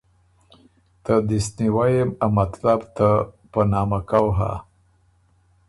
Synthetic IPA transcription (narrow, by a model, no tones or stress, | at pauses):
t̪əd̪isniwajemamat̪labt̪a | pənɑmakawɦa̰